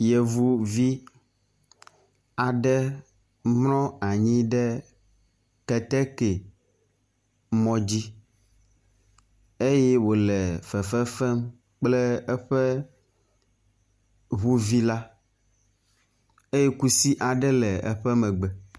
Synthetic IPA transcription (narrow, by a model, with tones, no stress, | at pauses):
jɛ˨vu˦vi˦ | a˨ɖɛ˦ | mnɔ̃˦a˨ɲĩ˦ɖɛ˦ | kɛ˨t̪ɛ˦ke˨ | mɔ̃˦d͡ʑi˦ | e˦jɛ˦wo˨lɛ˨fɛ˨fɛ˦fɛ˦m | k͡plɛ˦ɛ˦ɸɛ˦ | βu˦vi˦la˦ | e˦je˦ku˦si˦ʔa˨ɖɛ˦lɛ˨ɛ̰˦ɸɛ˦mɛ̃˨ɡ͡bɛ˨